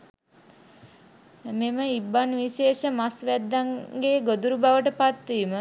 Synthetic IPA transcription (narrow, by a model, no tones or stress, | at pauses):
meməibːanʋiʃeːʃəmasʋæd̪ːaŋɡeːɡod̪uɾubaʋəʈəpat̪ʋiːmə